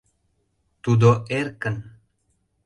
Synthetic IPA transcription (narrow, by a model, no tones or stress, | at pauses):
t̪ud̪oʔerkən